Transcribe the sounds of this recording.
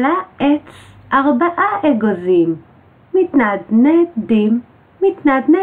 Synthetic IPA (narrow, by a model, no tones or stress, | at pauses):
laʔet͡s | ʔaʁbaʔaʔeɡozimː | it̪nad̪nedimː | it̪nad̪ne